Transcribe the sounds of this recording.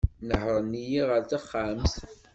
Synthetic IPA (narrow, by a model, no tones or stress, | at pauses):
nəħɾˤənːijiʁəɾθaχːams